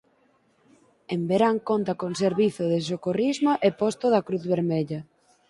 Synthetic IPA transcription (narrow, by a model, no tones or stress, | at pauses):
embeɾaŋkont̪ɐkoŋseɾβiθoðɪs̬okorizmaʔepɔst̪oðɐkɾuθβeɾmeʎɐ